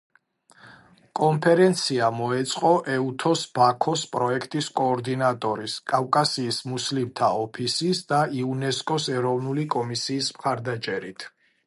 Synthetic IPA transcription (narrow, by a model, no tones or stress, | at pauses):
kʼɔmpʰɛɾɛnt̪sʰiamɔɛt̪sʼqʼɔʔɛut̪ʰɔsb̥akʰɔspʼɾɔɛkʰt̪ʼiskʼɔːɾd̪inat̪ʼɔɾiskʼavkʼasiːsmuslimt̪ʰaɔpʰisisd̪aiunɛskʼɔsɛɾɔvnulikʼɔmisiːsmχaɾd̪at͡ʃʼɛɾit̪ʰ